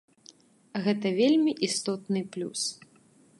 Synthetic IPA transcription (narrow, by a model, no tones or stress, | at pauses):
ɣɛt̪ɐvʲelʲmʲiʔist̪ɔt̪nɨplʲṵs